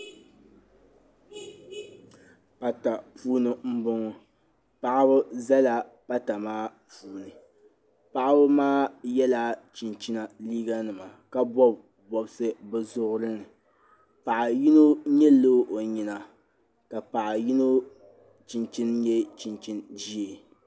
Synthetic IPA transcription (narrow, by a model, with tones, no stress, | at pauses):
pa˨ta˨puː˦nɨ˨m̩˦bʊ˦ŋɔ˦ | pa˦ʔa˦bɨ˦za˦la˦ | pa˦ta˨maː˦puː˦nɨ˨ | pa˦ʔa˦bɨ˦maː˦jɛ˦la˦t͡ʃi˨nt͡ʃi˦na˨liː˦ɡa˦nɨ˨ma˨ka˦bɔ˦b | bɔ˨bsɨ˦bɨ˦zʊ˦ʔʊ˦ɾɨ˦nɨ˨ | pa˨ʔa˨ji˦no˦ɲɛ˦lːo˦ʔo˨ɲi˨na˨ | ka˨pa˨ʔa˨ji˦no˦ | t͡ʃi˨nt͡ʃi˦njɛ˦t͡ʃi˨nt͡ʃi˦nd͡ʒi˦e˨